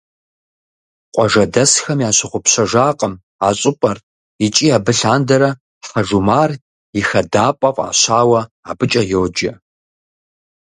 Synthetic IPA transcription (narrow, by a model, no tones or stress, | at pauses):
qʷʼɔʐɐdɐsxɐmjaːɕɪχʷʊpɕɐʒaːqʼəm | aːɕʼɪpʼɐr | it͡ʃʼiːaːbɨɬaːndɐɾɐ | ħɐʐumaːr | jɪxɐdaːpʼɐqʼa̰ːɕaːwɐ | aːbɨt͡ʃʼɐjowd͡ʒɐ